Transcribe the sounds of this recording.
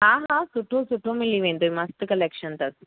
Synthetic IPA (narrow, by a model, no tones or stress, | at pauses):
ɦaːɦaːsuʈːosuʈːomilːiʋeɳɖuimɐst̪ɨkɐlekʂɐnt̪ɐs